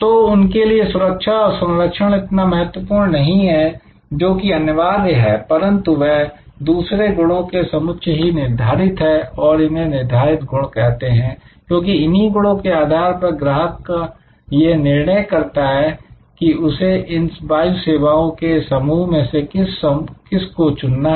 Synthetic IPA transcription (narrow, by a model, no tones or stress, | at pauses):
t̪oːʊnkeliesʊɾəkʃaɔɾsɐ̃nləkʃəɽ̃ɪt̪namɐɦət̪wəpuːɾɳnnɐɦĩɦɛ | d͡ʒoːkiɐnjəʋaːɾjəɦɛpɐɾə̃nt̪uʋɛɦ | d̪uːsɾeɡʊɽõkesɐmʊt̪ːʃʰɦinɪɾd̪ʱaːɾɪt̪ɦɛɔːɾɪnɦẽnɪɾd̪ʱaːɾɪt̪̚ɡʱʊɽ̃kɛɦt̪eɦɛ̃ːkjõːkiɪniɡʊɽõkeaːd̪ʱaːɾpɐɾɡɾaːɦəkka | jenɪɾɳəjkɐɾt̪aɦɛ | kiʊseʔɪnbaːjuseːʋaːõkesɐmuːɦmẽsekɪskɪskot͡ʃʊnːa